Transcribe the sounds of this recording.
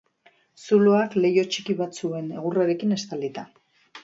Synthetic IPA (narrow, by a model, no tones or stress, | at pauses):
suloakle̞jo̞t͡ʃikiβat͡sue̞ne̞̰ɣuraɾe̞kine̞st̪ald̪it̪a